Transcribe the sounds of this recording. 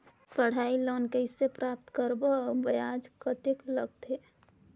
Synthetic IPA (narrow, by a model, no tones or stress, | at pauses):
pəɽ̤ailoːnkəɪsepɾap̚t̪kəɾbobəjad͡ʒkət̪ɪkləɡt̪e